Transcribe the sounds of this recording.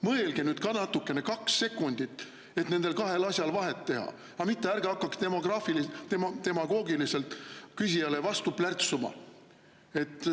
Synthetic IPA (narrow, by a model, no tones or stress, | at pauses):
mɤ̞elɡ̥enyːd̪̥kɑnɑt̪ːukːˑe̞ne̞kɑkse̞kːˑunʲd̪̥it̪ːˑ | e̞t̪ne̞nd̪̥e̞lkɑɦe̞lɑsʲjɑlvɑɦe̞t̪ːe̞hɑ̰ | ɑmit̪ːeæɾɡ̥eɑkːɑkt̪emoɡ̥rɑːfilit̪mt̪e̞mɑɡ̥o̞ːɡilise̞lt̪kysʲijɑlevɑst̪uplært̪sumɑ̰ | e̞t̪ˑː